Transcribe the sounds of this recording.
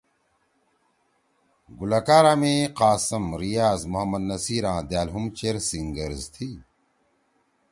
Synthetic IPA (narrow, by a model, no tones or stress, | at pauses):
ɡulɐkaːɾaːmẽːqaːsɐmɾijaːzmuɦɐmːɐd̪nɐsiːɾãːd̪jaːlɦumt͡ɕeɾsiŋɡɐɾzt̪ʰi